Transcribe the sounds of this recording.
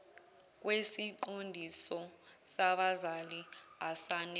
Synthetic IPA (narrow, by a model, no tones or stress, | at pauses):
k̬ʼwesiǃondʱisɔsaɓazaliasanɛ